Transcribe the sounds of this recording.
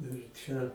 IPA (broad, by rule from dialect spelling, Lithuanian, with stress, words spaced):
ɪr ˈt͡ʃʲɛ